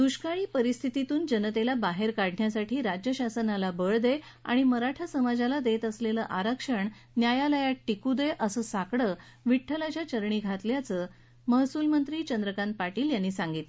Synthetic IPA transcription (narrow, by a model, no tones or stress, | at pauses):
d̪̥uɕkaɭiːpəɾist̪ʰit̪it̪uːnd͡ʑənət̪elabaɦeɾkaɽ̤ʱɳjasaʈʰiːɾad͡ʑjəɕasənalabəɭd̪e | a̰ɽ̃iməɾaʈʰasəmad͡zalad̪et̪əsleləːʔaɾəkʂəɳ | njajaləjaʈːikud̪eʔəsəːsakɽəː | ʋiʈʰːəlat͡ɕjat͡ɕəɾɳiːɡʱat̪ljat͡sə | məɦsuːlmənt̪ɾiːt͡ɕənd̪ɾəkant̪̚paʈiːljanːiːsaŋɡit̪l